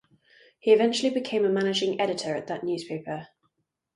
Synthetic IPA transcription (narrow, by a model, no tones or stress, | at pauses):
hiɪvɛ̃nt͡ʃʉəlibɪkʰẽɪ̃məmanɪd͡ʒɪ̃ŋɛɾɪtʰəɹəʔðəʔnjʉːz̥pʰeɪpə